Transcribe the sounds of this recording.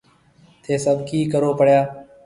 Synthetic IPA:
t̪ʰeːsəbkiːkəɾoːpəɽjaː

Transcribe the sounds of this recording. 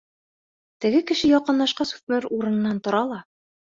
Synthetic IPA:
t̪ɘ̆ɡɘkɘ̆ʃɘjɒqɤ̆nlˠɑʃqɑsu̥fmɘɾuɾɤ̆nɤ̆nːɑnt̪ŏɾɑlˠɑ

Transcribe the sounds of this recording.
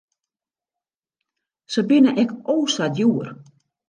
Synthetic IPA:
səbɪnəʔɛkoːsadjuər

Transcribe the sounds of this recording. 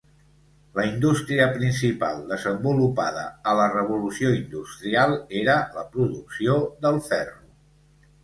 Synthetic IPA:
ləind̪ust̪ɾiəpɾinsipa̰lˠd̪əzəmbulupa̰ð̞ə̰ələrəβ̞ulusioind̪ust̪ɾialˠeɾələpɾuðuksioðəlˠfɛru

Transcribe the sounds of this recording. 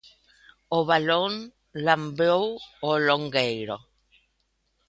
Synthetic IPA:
oβalon | lambowoloŋɡejɾo

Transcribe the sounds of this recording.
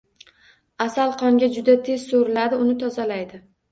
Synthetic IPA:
asalˠqʰɒŋɡʲad͡ʒʊd̪at̪ʰe̞z̥soɾɪlad̪ɪʊnɪt̪ʰɒzalajd̪ɪ

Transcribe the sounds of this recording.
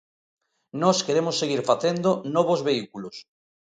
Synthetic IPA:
nɔskeɾemosːeɣ̞iɾfaθend̪onɔβozβeikulos

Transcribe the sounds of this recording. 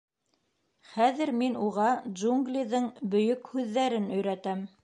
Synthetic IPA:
χæðɘɾminuʁɑʒuŋɡlʲiðɤɴbɵ̆jɵkhʉðːæɾɘnɵ̆jɾæt̪æm

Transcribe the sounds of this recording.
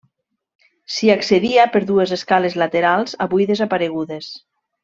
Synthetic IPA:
siakseðiapeɾðuezeskalezlat̪eɾalˠzaβujðezapaɾeɣ̞uðes

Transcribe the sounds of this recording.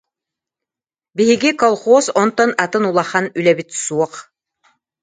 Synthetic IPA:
biɦiɡikɔlˠχoːsɔnt̪ɔnat̪ɯnulˠaχanylɛbit̪suɔq

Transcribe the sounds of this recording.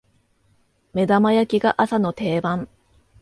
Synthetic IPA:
me̞d̪amajakʲiɡaʔasano̞t̪e̞ːbãŋ

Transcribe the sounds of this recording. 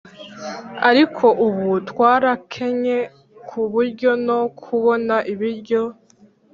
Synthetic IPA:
aɾikʰo̞ʔuβutwaːɾakʰe̞ɲe̞ | kʰuβuɾɟo̞no̞kʰuβo̞naʔiβiɾɟo̞

